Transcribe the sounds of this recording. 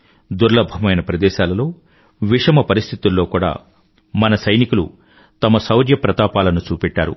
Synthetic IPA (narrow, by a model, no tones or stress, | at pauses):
d̪uɾlɐbʱɐmɐjnɐpɾɐd̪ɛːʃaːlɐlo̞ː | ʋiʂɐmɐpɐɾist̪ʰit̪ulːo̞ːkuːɽa̰ː | mɐnɐsɐjnikulṵ | t̪ɐmɐsɐwɾjɐpɾɐt̪aːpaːlɐnut͡ʃuːpɛʈːaːɾṵ